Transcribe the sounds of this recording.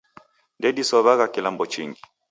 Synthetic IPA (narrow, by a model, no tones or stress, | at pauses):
ndɛdisɔβaɣakilambɔt͡ʃḭŋɡi